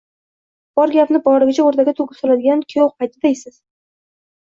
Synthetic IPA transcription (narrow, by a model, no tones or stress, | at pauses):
b̥ɒɾɡʲapnɪbɒɾɪɡʲɪt͡ʃʰaoɾt̪ʰaɡʲat̪ʰʊɡʲɪpsɒlad̪ɪɡʲankʲʰjowpʰajt̪ʰɪd̪ejsɪz̥